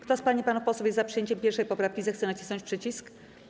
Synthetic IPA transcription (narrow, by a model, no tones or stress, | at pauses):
kt̪ɔspaɲipanufpɔswɛfjɛzzapʂɨjeɲt͡ɕɛmpʲɛɾʂɛjpɔpɾafkʲizɛxt̪sɛnat͡ɕi̥snɔɲt͡ɕʲpʂɘt͡ɕisk